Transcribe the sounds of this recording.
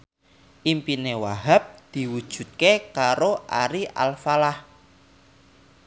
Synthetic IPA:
ʔimpinewaɦap̚d̪̥i̤wud̥ʒ̥ṳt̪̚kekaɾoʔa̰ɾiʔa̰lfalah

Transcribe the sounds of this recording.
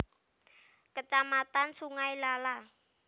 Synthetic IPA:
kət͡ʃamat̪ansuŋajlala

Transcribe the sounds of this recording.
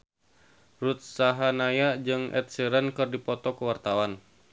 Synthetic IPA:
rut̪̚saɦanajad͡ʒɨŋɛ̰t̪̚siɾənkɨrdipɔt̪ɔkəwart̪awan

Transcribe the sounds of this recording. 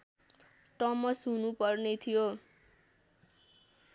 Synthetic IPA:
ʈʌmʌsɦunupʌrnet̪ʰijo

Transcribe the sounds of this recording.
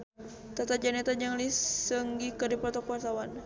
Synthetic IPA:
t̪at̪ad͡ʒanɛt̪ad͡ʒaŋlisəŋɡikədipɾɔt̪ɔkat̪awan

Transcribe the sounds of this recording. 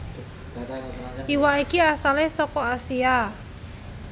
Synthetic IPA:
iwaikiasalesɔkɔasia

